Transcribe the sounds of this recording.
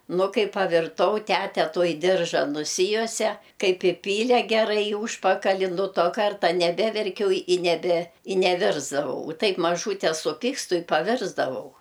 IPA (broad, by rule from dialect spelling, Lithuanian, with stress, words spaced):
ˈnʊ ˈkɐɪ pɐʋʲɪrˈtɐʊ ˈtʲætʲɛ ˈtuɔj ˈdʲɪrʒɐ nʊˈsʲɪjuɔsʲɛ ˈkɐɪp ɪˈpʲiːlʲɛ ɡʲɛˈrɐɪ ɪ ˈuːʃpɐkɐlʲɪ nʊ ˈtoː ˈkɐrtɐ nʲɛˈbʲæːʋʲɛrʲkʲɛʊ ɪ nʲɛˈbʲɛ ɪ nʲɛˈʋʲɪrzdɐʋɐʊ ʊ ˈtɐɪp mɐˈʒuːtʲɛ sʊˈpʲɪkstʊ ɪ pɐˈʋʲɪrzdɐʋɐʊ